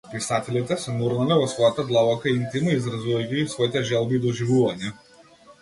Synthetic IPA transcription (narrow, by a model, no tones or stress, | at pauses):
pisat̪ɛlit̪ɛsɛnuɾnalɛvɔsvɔjat̪ad̪lˠavɔkaint̪inaizɾazuvɐjkiːsvɔit̪ɛʒɛlˠbiːd̪ɔʒivuvaɲɛ